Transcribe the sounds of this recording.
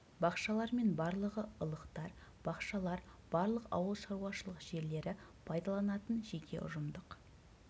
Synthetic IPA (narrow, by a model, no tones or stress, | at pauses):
bɑqʃɑlˠɑɾme̞nbɑɾlˠəʁəəlˠəqt̪ɑɾb̥ɑqʃɑlˠɑɾb̥ɑɾlˠəqɑ̰wəlˠʃɑɾuɑʃəlˠəqʒ̥e̞ɾle̞ɾɪpʰɑjd̪ɑlˠɑnɑt̪ənʒekʲe̞̰ʔʊ̰ʒəmd̪əq